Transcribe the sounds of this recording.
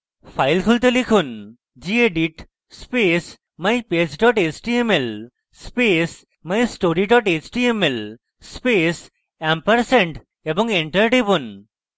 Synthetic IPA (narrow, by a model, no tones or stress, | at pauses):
pʰajlkʰult̪̬elikʰun | d͡ʑieɖiʈ | spes | majped͡ʑɖɔʈet͡ʃʈiemel | spes | majsʈoɾiɖɔʈet͡ʃʈiemel | spes | ɛmpaɾseɳʈ | ebɔŋeɳʈəɾɖebun